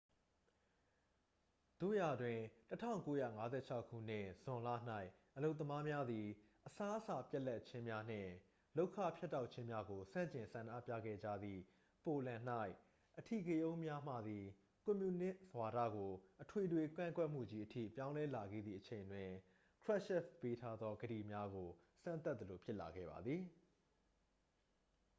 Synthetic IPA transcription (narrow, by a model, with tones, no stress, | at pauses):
d̪̥o̰˦˨ja˨dwɪ̃˨tətʰã̰˦˨ʊ̃ŋko˦jä̰˦˨ŋa˦zɛ̰˦˨t͡ɕʰa˦ʊkʰːṵ˦˨n̥ɪ̰̃˦˨z̥ʊ̃˨lä̰˦˨n̥a˦ɪʔ | ʔəlo˦˨ʊt̪̬ːəma˦mja˦d̪i˨ | ʔəsa˦ʔəsa˨pjɛ˦ʔla˦˨ʔt͡ɕʰɪ̃˦mja˦n̥ɪ̰̃˦˨ | lo˦ʊkʰä̰˦˨pʰjɛ˦tːa˦ʊʔt͡ɕʰɪ̃˦mja˦ɡo˨sã̰˦˨ɲt͡ɕɪ̃˨nsã˨nʔä̰˦˨pja̰˦˨ɡɛ̰˦˨d͡ʑä̰˦˨d̪ðḭ˨ | po˨lã˨n̥a˦ɪ | ʔətʰḭ˦˨ɡe˦ʔõ˦ʊ̃mja˦m̥ä̰˦˨d̪i˨ | kʊ̃˨mju˨nɪ̃˦ʔzwa˨ɾä̰˦˨ɡo˨ʔətʰwe˨dwe˨kã̰˦˨ŋɡwɛ˦ʔm̥ṵ˦˨d͡ʑi˦ʔətʰḭ˦˨pjã˦ʊ̃lɛ˦la˨ɡɛ̰˦˨d̪ðḭ˦˨ʔət͡ɕʰẽ˨ɪ̃ndwɪ̃˨ | kʰɹ̥ɛ˦ʔʃɛ˦˨fpe˦tʰa˦d̪ðɔ˦ɡədḭ˦˨mja˦ɡo˨ | sã˦˨nt̪a˦t̪̚ːəlo˨pʰjɪ˦ʔla̰˨ɡɛ̰˦˨ba̰˨d̪ði˨